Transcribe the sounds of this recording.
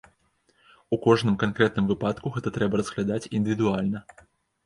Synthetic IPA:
ukɔʐnɨmkankɾɛt̪̚nɨmvɨpat̪kuɣɛt̪ɐt̪ɾɛbɐɾɐzɣlʲad̪at͡sʲḭnd̪ɨvʲid̪ualʲnɐ

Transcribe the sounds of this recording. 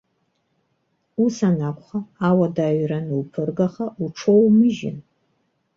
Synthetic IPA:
usanakʷʼχaawadaːɥranɨlpʰɨrɡaχaʔuʈ͡ʂʰowmɨʒɪ̰n

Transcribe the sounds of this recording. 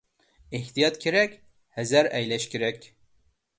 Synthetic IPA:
eht̪ijɑt̪kʲʰeɾɛkʲ | hɛzæɾɛjlɛʃkʲeɾɛkʲ

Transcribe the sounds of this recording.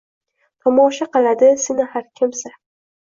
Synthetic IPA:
t̪ʰɒmɒʃaqɨlˠad̪ɪsɪnɪhaɾkʲʰɪmsa

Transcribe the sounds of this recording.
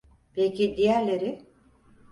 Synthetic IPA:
pelʲcʰid̪ijæɾlʲeɾɪ

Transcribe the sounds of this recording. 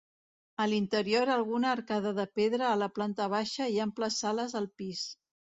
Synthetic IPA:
əlint̪əɾioɾəlˠɣunəːɾkaðəðəpeðɾəːləplant̪əβ̞aʃəiəmpləsaləzəlˠpis

